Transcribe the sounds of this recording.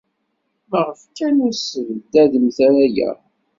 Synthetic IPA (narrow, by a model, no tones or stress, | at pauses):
məʁəfkænʊɾsəvəd̪æðəmθæɾæjæ̰